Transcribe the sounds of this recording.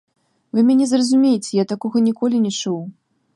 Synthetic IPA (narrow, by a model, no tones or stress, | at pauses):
vɨmʲɛnʲɛzrɐzumʲejet͡sʲɛjat̪akɔɣɐnʲikɔlʲinʲɛt͡ʂuw